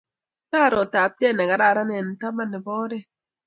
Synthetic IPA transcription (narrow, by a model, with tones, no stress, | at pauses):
taː˦˨ɾɔ˨taː˨p̚tɛ˦˨nɛ˨ɡa˨˦ɾa˦˨ɾa˦nɛ˨n̩˨ta˦ma˦˨nɛ˨bɔː˦dɛ˦˨